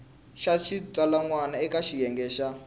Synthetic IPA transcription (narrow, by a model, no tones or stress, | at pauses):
ʃaʃitalaŋwanaɛkaʃijɛŋɡɛːʃa